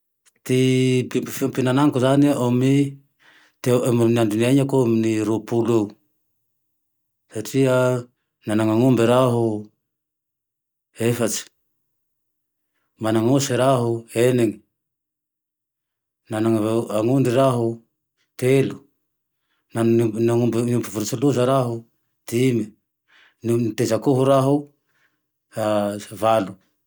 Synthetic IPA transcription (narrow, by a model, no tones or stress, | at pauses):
t̪ipipifiompinanaŋkotaneʔomi | temananduniaɲakomniɾupulu | satia | nanaŋaŋumbeɾaɦu | efat͡ʃ | manaŋusiɾaɦueneŋi̥ | nanaŋaŋuɳɖ͡ʐiɾaɦu | t̪elu̥ | nanaŋumbnumbivuɾut͡suluzaɾaɦu | t̪imi | nnt̪ezakuɦuɾaɦu | avalu